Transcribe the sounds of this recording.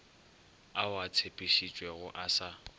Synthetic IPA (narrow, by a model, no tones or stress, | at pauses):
awat͡sʰepʼiʃit͡ʃʼwɛɣʊʔasa